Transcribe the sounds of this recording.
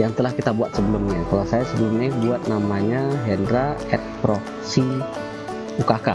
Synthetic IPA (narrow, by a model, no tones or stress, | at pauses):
jaŋt̪əlahkit̪abuat̪̚səbəlʊmɲakalasajasəbəlʊmɲabuat̪̚namaɲaɦɛndɾaɛt̪̚pɾɔ | si | ukaka̰